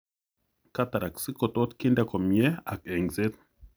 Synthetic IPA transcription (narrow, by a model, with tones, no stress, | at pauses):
ka˦t̪a˨ɾa˨ksi˦ko˨t̪o˦t̪ki˦nda˦ko˨mjɛ˦a˨kɛ˨ŋze˦t̪̚